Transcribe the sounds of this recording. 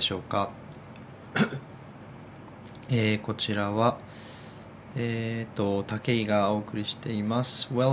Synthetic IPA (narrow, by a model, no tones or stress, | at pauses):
o̞ːka | eːko̞t͡ɕiɾaβa | eːt̪o̞t̪ake̞iɡao̞ːkɯ̟ɾʲiɕi̥t̪e̞imasɨ̥we